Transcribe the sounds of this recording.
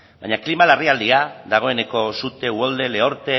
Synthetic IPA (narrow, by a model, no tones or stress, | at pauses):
bajɲaklimalariald̪iaðaɣ̞o̞e̞ne̞ko̞sut̪e̞uold̪e̞le̞o̞ɾt̪e